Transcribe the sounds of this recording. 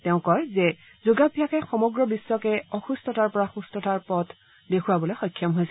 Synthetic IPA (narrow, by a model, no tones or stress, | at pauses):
tɛʊ̃kɔɹzɛ | zuɡabʱijakɛxɔmɔɡɹɔbiswɔkɛɔxustɔtaɹpɔɹaxustɔtʰaɹpɔt | dekʰuwabɔlojxɔjkʰːjɔmɦojsɛ